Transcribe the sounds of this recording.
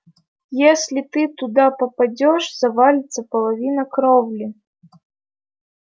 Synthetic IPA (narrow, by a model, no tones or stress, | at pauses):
jesʲlʲɪt̪ɨt̪ʊd̪apəpɐdʲɔʂz̥ɐvalʲɪt̪səpəlˠɐvʲinəkɾɔvlʲɪ